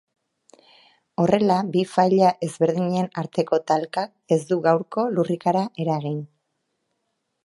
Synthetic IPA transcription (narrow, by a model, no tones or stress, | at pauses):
o̞re̞labifajʎaʔe̞zβe̞ɾðiɲenaɾt̪e̞ko̞t̪alkak | e̞zd̪uɣawɾko̞lurikaɾaʔe̞ɾaɣin